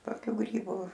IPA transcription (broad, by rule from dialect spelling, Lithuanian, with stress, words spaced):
toːˈkʲuː ˈɡrʲiːbʊ